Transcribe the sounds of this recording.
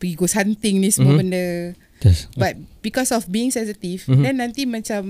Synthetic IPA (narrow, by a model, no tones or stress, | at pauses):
pəɡiɡoshant̪ɪŋnĩsəmuobəndə | ɛsbat̚bikɔsɔfbiɪŋsɛ̃nsit̪ifdɛ̃nːãnt̪imat͡ʃam